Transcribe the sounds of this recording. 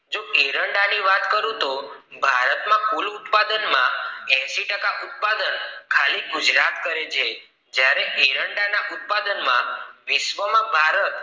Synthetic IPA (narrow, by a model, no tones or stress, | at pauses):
d͡ʒoeɾəɳɖaniʋat̪kəɾũt̪o | bʱaɾət̪mãkulut̪pad̪ənmãɛ̃ʃiʈəkaʔut̪̚pad̪ənkʰaliɡud͡ʒɾat̪kəɾet͡ʃʰe | d͡ʒjaɾeʔeɾəɳɖanaʔut̪̚pad̪ənmã̰ʋiʃʋəmãbʱaɾət̪